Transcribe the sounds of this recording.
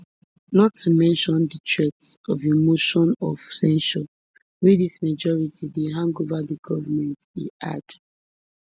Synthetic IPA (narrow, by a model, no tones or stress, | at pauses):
nɔtʰːumɛ̃nʃɔ̃ndətʰɹɛtsɔvimoʃɔ̃nɔv̥sɛ̃nʃɔ | widismad͡ʒɔɹitideɦãŋɡovadiɡɔvamɛ̃ntḭa̰d